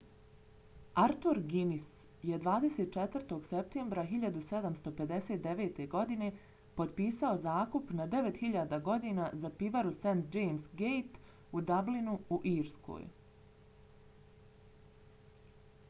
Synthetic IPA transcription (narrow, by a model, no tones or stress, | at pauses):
aɾt̪uɾɡinis | jed̪ʋaːd̪e̞set̪̚t͡ʃet̪ʋərt̪o̞ɡ̥sep̚t̪e̞ːmbɾaɦiʎad̪used̪amst̪o̞pe̞d̪e̞set̪̚d̪eʋeːt̪e̞ɡo̞d̪ine̞ | po̞d̪piːsao̞zaːkupnad̪e̞ʋet̪hiʎaːd̪aɡo̞d̪iːnazapiʋaɾusent̪̚d͡ʒejmsɡejt̪ | ud̪ablinuuʔiːɾskʰo̰j